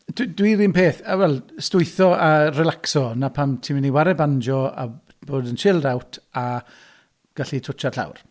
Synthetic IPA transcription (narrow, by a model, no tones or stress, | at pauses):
d̥dwiɾinpeːθawɛlˠstʊɨθɔarɛlaksɔnapʰamtʰimɪniwaɾɛband͡ʒɔa̰ | boːdənʃɪlˠdawtʰa | ɡ̥aɬitʰʊt͡ʃʰarɬa̰wr